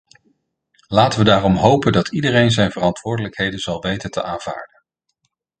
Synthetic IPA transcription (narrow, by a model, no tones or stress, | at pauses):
laːtəʋədaːrɔmɦowpəndɑtʰidərejnzɛjnvərɑntʋʊːɹdələkɦejdənzɑlˠʋejtəntʰə̰ʔaːnv̥a̰ːɹdən